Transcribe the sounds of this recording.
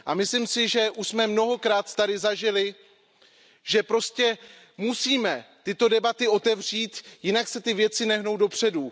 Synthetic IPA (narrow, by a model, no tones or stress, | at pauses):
ʔamɪslimsɪʒɛʔuʃsmɛmno̞ɦo̞kɾaːt̪t̪adɪzaʒɪlɪ | ʒ̥ɛpɾo̞scɛ | musiːmɛt̪ɪt̪o̞dɛbat̪ɪo̞t̪ɛvr̥iːt̪jɪnaksɛt̪ɪvjɛt͡sɪnɛɦno̞wdo̞pr̝̥ɛdu